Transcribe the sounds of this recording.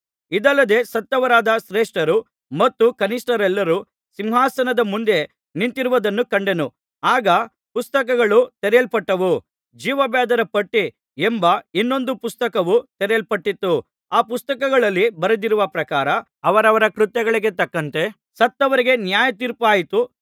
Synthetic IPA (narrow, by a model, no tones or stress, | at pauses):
id̪ɐlːɐd̪e̞ːsɐt̪ːɐʋɐɾaːd̪ɐʃɾeːʂʈɐɾu | mɐt̪ːukɐnisʈɐɾɛlːɐɾu | simɦaːsɐnɐd̪ɐmund̪e̞ | nint̪iɾuʋɐd̪ɐnːukɐɳɖe̞nu | aːɡɐ | pust̪ɐk̬ɐɡɐɭut̪ɛɾelpɐʈːɐʋu | d͡ʒiːʋɐbɛːd̪ɐɾɐpɐʈːi | embɐinːo̞nd̪upust̪ɐkɐʋut̪ɛɾelpɐʈːit̪ːu | aːpust̪ɐkɐɡɐɭɐlːibɐɾɐd̪iɾuʋɐpɾɐkaːɾɐ | ɐʋɐɾɐʋɐɾɐkɾut̪jɛɡɐɭiɡe̞t̪ɐkːɐnt̪e̞ | sɐt̪ːɐʋɐɾiɡe̞njaːjɐt̪iːɾpaːjit̪u